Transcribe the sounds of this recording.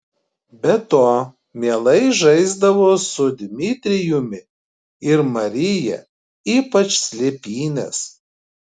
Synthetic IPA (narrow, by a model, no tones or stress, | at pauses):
bʲɛt̪oː | mʲiɛlˠɐɪʒɐɪzd̪ɐʋoːsʊd̪ʲmʲɪt̪ʲɾʲɪjʊmʲɪ | ɪɾmɐɾʲɪjɛ̰ | iːpɐt͡ʃsʲlʲepʲiːnʲɛ̰s